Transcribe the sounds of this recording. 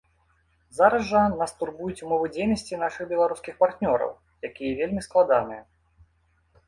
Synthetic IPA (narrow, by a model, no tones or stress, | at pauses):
zaɾɐzʐɐnast̪urbujut͡sʲumɔvɨd͡zʲejnɐsʲt͡sʲinaʂɨɣbʲɛlˠaɾuskʲixpart̪nʲɔɾɐ̰w | jakʲijɐvʲelʲmʲisklˠad̪anɨjɛ